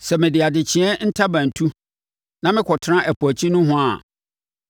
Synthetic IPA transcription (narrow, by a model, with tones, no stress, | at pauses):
sɛ˨mɪ̃˨dɪ˨a˨dɪ˨t͡ɕʰɪ̃˨˦ɛ˦n̩˦tʰa˦bã˨n̩˨tʰu˦ | nã˦mɪ̃˦kʰɔ˨tʰɪ˦ɾã˦ʔæ˨pʰu˨æ˨t͡ɕʰi˦nʊ̃˦ɦʊ̃˦a̰˨